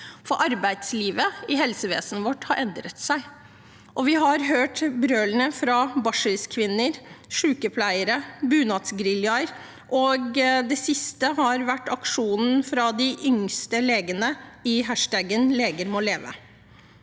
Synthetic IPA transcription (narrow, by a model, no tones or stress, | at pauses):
fɔɾʔɑɾbæɪd̪sliːʋəɪɦɛlsəʋḛːsn̩ʋɔʈːhɑɾʔɛnd̪ɾət̪sæɪ | ʔɔʋɪɦɑɾɦøːʈbɾøːlənəfɾɑbɑʂəɾskʰʋɪnːəɾʂʉːkəpʰlæɪəɾəbʉːnɑt̪sɡɾɪljɑɾ | ʔɔɡd̪ɛsɪst̪əɦɑɾʋæʈːɑkʂuːnn̩fɾɑd̪ɪʔʏŋst̪əleːɡənəɪɦæʂʈæɡənleːɡəɾmɔleːʋə̰